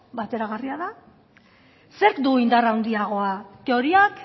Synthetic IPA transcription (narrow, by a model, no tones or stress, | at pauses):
bat̪e̞ɾaɣariaða | se̞ɾkd̪uind̪arawnd̪iaɣ̞o̞akeo̞ɾiak